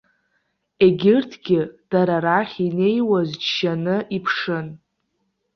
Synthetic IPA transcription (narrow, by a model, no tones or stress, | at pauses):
e̞ɡʲɪrtʰɡ̥ʲɪd̥aɾaɾaχʲine̞jwazd͡ʒʃanɨʔipʰʂɨn